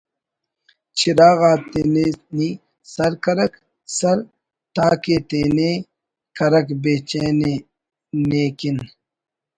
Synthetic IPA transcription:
t͡ɕʰiɾaːɣaːt̪eːneni | sɐɾkɐɾɐk | sɐɾ | t̪aːket̪eːne | kɐɾɐkbeːt͡ɕeːne | neːkin

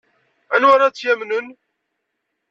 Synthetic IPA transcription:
ænwaɾat͡sːjæmnən

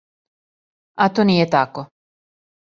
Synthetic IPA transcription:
at̪oniet̪akːo

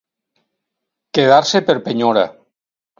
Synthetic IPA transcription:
keð̞aɾsepeɾpeɲoɾa̰

